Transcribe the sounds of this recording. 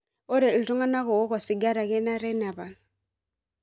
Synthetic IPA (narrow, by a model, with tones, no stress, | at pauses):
ɔ˦ɾɛ˨ltɔ˦ŋa˦na˦kɔ˨wɔ˦kwa˨si˨ɡa˦ɾa˨kɛ˦na˦ɾɛ˦na˨βa˨n